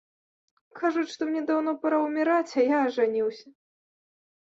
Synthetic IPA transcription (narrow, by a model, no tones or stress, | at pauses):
kʰaʐut͡ɕʲʂt̪ɔmnʲɛd̪awn̪ɔpɐɾɐwmʲiɾat͡sʲajaɐʐanʲiwsʲɐ